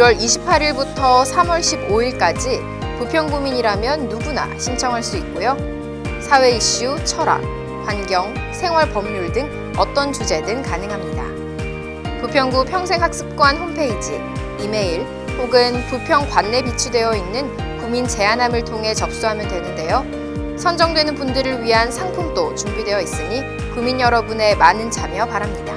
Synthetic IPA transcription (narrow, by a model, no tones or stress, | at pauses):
iɾwʌɾiɕʰi̥pʰaɾiɭbutʰʌsʰamʌɭɕ͈ʰiboiɭk͈ad͡ʑi | pupʰjʌŋbumiɲiɾamjʌnːuɡuna̰ɕʰint͡ɕʰʌŋɦaɭs͈uik̚k͈ojo | sʰawe̞iɕ͈ut͡ɕʰʌɾa̰k̚ | kwanɡjʌŋsʰe̞ŋwaɭpʌmɲuɭdɯŋ | ʌt͈ʌnt͡ɕud͡ʑe̞dɯŋkanɯŋɦamɲida̰ | pupʰjʌŋɡupʰjʌŋs̬ʰe̞ŋɦak̚s͈ʰɯ̥p̚k͈oɦanhompʰe̞id͡ʑi | ime̞iɭ | hoɡɯnpupʰjʌŋkwanːe̞pit͡ɕʰudwe̞jʌinːɯn | kumint͡ɕe̞anamɯɭtʰoŋɦe̞t͡ɕʌp̚s͈uɦamjʌndwe̞nɯnde̞jo | sʰʌnd͡ʑʌŋdwe̞nɯnpundɯɾɯɭɥiɦansʰaŋpʰoŋt͈ot͡ɕumbidwe̞jʌis͈ɯɲi | kuminjʌɾʌbune̞manɯnd͡ʑʰamjʌpaɾamɲida̰